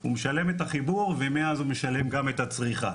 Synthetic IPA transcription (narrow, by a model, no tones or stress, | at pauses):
umeʃale̞met̪aχibuʁvemeazumeʃale̞mɡamet̪at͡sʁiχa